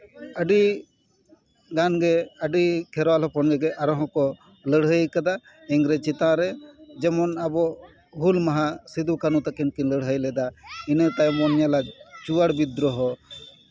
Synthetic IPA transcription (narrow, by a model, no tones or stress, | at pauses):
əɖi | ɡanɡɛəɖikʰɛɾwalɔpʰɔnɡɛɡɛʔaɾɔɦɔ̃kɔ | ləɽɦəjkad̪a | ɛŋɾɛt͡ʃit̪ãɾɛd͡ʒɛmɔnabɔ | ɦulmaɦasid̪ukanut̪akinkinləɽɦəjlɛd̪ainət̪ajmɔnjalad͡ʒt͡ʃuwaɽbiɾɔɦɔ